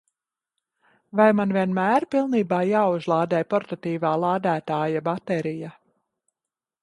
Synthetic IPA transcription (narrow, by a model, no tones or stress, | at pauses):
vajmanviɛnmæːɾpilˠniːbaːjaːuzlˠaːd̪ɛːjpɔɾt̪at̪iːvaːlˠaːd̪æːt̪aːjabat̪ɛɾija